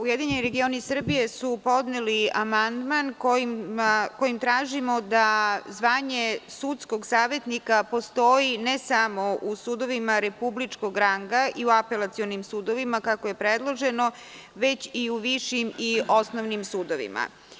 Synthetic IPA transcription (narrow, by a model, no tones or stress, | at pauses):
ujed̪iɲeniɾe̞ɡio̞nisr̩bije̞supo̞d̪neliamand̪mankojimako̞jimt̪ɾaːʒimo̞d̪azʋaːɲe̞sut̪sko̞ɡsaːʋe̞t̪nikapo̞st̪o̞jinesamo̞ʔusuːd̪o̞ʋimaɾe̞publit͡ʂko̞ɡɾaŋɡaʔiuape̞lˠat̪sio̞nimsuːd̪o̞ʋimakakoje̞pɾed̪lˠo̞ʒe̞no̞ | ʋe̞t͡ɕiuʋiʃimio̞snoʋnimsuːd̪o̞ʋḭma̰